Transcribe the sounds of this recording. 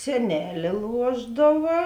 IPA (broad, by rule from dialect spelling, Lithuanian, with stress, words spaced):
sʲɛˈnʲæːlʲeː ˈlˠuɔʒdɐʋɐ